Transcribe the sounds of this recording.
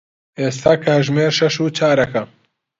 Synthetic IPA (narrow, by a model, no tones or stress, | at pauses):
ʔeːst̪ʰaːkʰɐʒmeːɾʃɐʃuːt͡ʃʰaːɾɐkʰɐ